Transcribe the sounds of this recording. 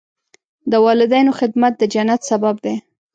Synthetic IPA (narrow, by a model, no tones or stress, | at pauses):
d̪əwɑlɪd̪ajnoxɪd̪mat̪̚d̪əd͡ʒanːat̪sabab̚d̪e